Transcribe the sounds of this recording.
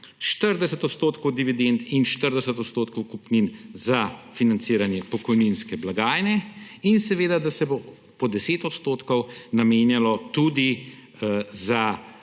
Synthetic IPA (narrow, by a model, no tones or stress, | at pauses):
ʃt̪əɾd̪ɛsət̪ɔt̪st̪oːt̪kɔwd̪iʋid̪ent̪inʃt̪əɾd̪ɛsət̪ɔt̪st̪oːt̪̚kɔwkupninzafinant̪siːɾanjɛpɔkɔjninskɛblaɡaːjnɛ | insɛʋeːd̪ad̪asɛbo | pɔd̪ɛseːt̪ɔt̪st̪oːt̪kɔwnameːnjalɔt̪ud̪i | za